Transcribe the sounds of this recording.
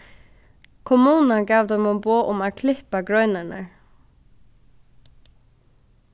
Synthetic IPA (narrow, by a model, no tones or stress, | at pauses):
kʰʊmuːnaɡɑːʋd̪ɛmʊmboːʔʊmaːkʰlɪhpaɡɹœʏnaɳə̰